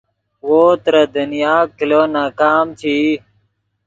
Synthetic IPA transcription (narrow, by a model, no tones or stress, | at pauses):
woːt̪ɾɐd̪ɐnijaːkiloːnaːkaːmt͡ɕʰiː